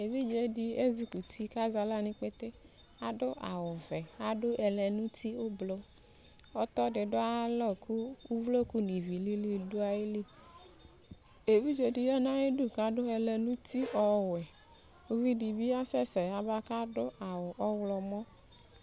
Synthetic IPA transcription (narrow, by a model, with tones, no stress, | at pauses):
e˨vi˦d͡ʒe˨di˦e˦zu˨ku˨t̪ʰi˦ka˦za˨la˦nĩ˦k͡pe˦t̪e˦ | a˦dʊ˦ʔa̰˨wʊ˨vɛ˨a˨ɖʊ˦ʔɛ˨lɛ˨nũ˦t̪i˦o˦blo˦ | ɔ˦t̪ɔ˦dɪ˨ɖʊ˦a˦lɔ˦˨kʰu˦u˦vlo˦ku˦nĩ˨vi˨li˦li˦˨du˦a˨ji˦li˦ | e˨vi˦d͡ʒe˨di˨jɛ˦nã˦e˦du˦˨ka˨ɖʊ˦ɛ˨lɛ˨nũ˦t̪i˦ɔ˨wɛ˨ | o˦vi˦di˨bi˦a˦sɛ˦sɛ˨a˨ba˦ka˦dʊ˦a˨wʊ˨ʔɔ˦wlɔ˨mɔ̃˦